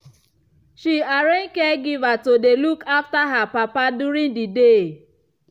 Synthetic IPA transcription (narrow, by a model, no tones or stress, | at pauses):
ʃiaɾen̩keɡɪvatodelukʰaftaɦapapaduɾiŋdide